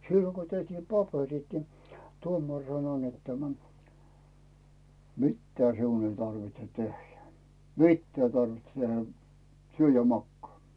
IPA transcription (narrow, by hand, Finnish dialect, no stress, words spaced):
silːoŋ ɡ̊o tehtiːm pɑperit ni tuomɑr sɑno net tæmæ mitːɑ siun ei tɑrʋitse tehjæ mitːæː ĭ tɑrʋitse tehæ syø jɑ mɑkːɑː